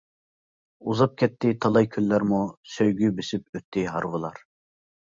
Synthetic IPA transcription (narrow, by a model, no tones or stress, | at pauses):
uzɑp̚kʲʰɛt̪ʰːɪt̪ʰɑlˠɑjkʲʰylːæɾmusøjɡʲybysyp̚øt̪ʰːiɦɑɾwɨlˠɑɾ